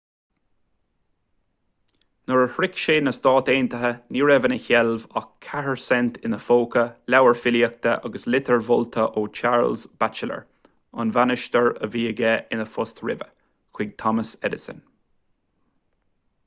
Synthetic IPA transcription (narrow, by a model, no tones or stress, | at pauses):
nəɹəhɹɪkʃeːnəst̪ɑːt̪eːnt̪əɦəniːɹɛvənəçɛlvɑkʰːaɹəɹsɛnt̪ʰɪnəfoːkʰəlawəɹfɪliək̚t̪əʔɑɡəslɪt̪ʰəɹvʊlt̪ʰəʔoːt͡ʃʰaɹlzb̥at͡ʃələ̰ɹ | ʊ̰nvanɪʃt̪əɹə̰viːəɡɛɪnəfʊst̪ɹɪ̰və | kʰwɪɡ̚t̪ʰɔməsɛd̪ɪsə̰n